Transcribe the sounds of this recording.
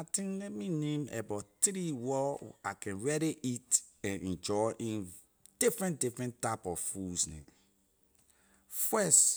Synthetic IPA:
atĩŋlɛt̚minẽmɛ̰battɾiwɔakɛ̃nɹɛɾiʔitɛ̃nʔɛ̃nd͡ʒɔʔĩn | d̥ifɹɛ̃ndifɹɛ̃ntapɔvfusnḛ̃m | fɛs

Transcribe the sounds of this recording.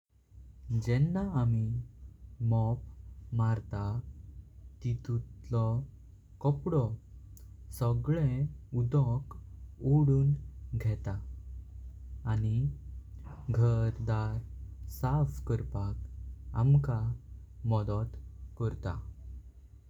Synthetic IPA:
d͡ʑɛnːaami | mɔpmaɾt̪a | t̪it̪ut̪lɔ | kɔpɽɔ | sɔɡɭeud̪ɔkoɽuːnɡʱɛt̪a | ni | ɡʱəɾd̪aɾsafkəɾpaka̰mkamɔd̪ɔt̪kəɾt̪a̰

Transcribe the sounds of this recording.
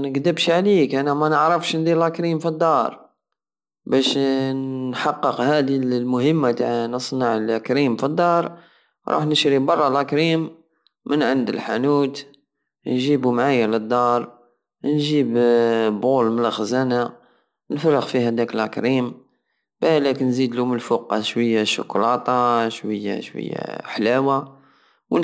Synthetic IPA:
nəɡd̪əbʃʕlikʔænæmænəʕɾəfʃnd̪iɾlʔækɾimfid̪ˤːɑɾˤ | bæʃ | ħɑqːəqhæd̪illmʊhəmːat̪aʕnəsˤnəʕlækɾimfid̪ˤːɑɾˤ | ɾˤʔṵħnəʃɾibɑrˤːɑlʔækɾimː | ənʕənd̪ə̰lħa̰nuːt̪ | nʒibumʕajːaləd̪ˤːɑɾˤ | nʒibbulmənləxzæna | nfɑrˤːəqfihæd̪ækəlʔækɾim | bælækənzid̪luməlfuqːɑʃwəjːaʃʊ̰klɑt̪ˤɑʃwəjːa̰ʃwə̰jːa̰ħlæwa | w

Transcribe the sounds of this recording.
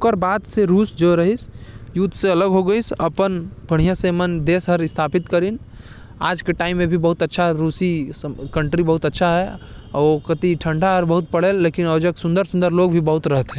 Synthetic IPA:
kəɾbaːd̪seɾuːsd͡ʒoːɾɐɦisjut̪seɐləɡɦoɡɐisɐpənb̥ʱɐɽ̤ijasemənd̪eːsɦɐɾɪst̪ʰaːpɪt̪kɐɾin | aːd͡ʒkeʈaːɪ̃mːẽbʱibɐɦʊt̪ɐtːʃʰaɦɛɾuːsiskɐ̃ɳʈɾibɐɦʊt̪ɐtːʃʰaɦɛ | ɔkɐt̪iʈʰɐ̃ɳɖaɦɐɾbɐɦʊt̪̚pɐɽ̤eːlːeːkɪnɔːd͡ʒəksʊ̃nd̪əɾsʊ̃nd̪əɾloːɡbʱibɐɦʊt̪ɾɐɦət̪ɦɛ̃

